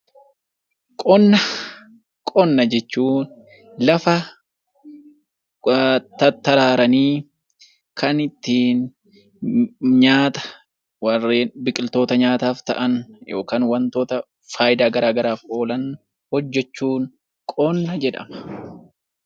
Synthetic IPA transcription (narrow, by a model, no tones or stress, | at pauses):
kʼɔnːɐ | kʼɔnːɐd͡ʒɛt͡ʃːuːn | lɐfɐ | t̪ɐt̪ːɐɾaːɾɐniː | kɐnɪt̪ːiːn | ɲaːt̪ɐ̥ | wɐrːeːnbɪkʼɪlt̪o̞ːt̪ɐɲaːt̪aːft̪ɐʔɐnjo̞̰ːkaːnwɐnt̪o̞ːt̪ɐ | faːjɪd̪aːɡɐɾaːɡɐɾaːfʔo̞ːlɐn | hɔd͡ʒːɛt͡ʃːuːn | kʼɔnːɐd͡ʒɛᶑɐ̰mɐ̥